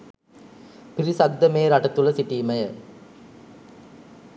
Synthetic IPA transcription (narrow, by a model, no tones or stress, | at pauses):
piɾisɐɡ̚d̪ːəmeːɾaʈɐt̪ulɐsiʈiːmɐjə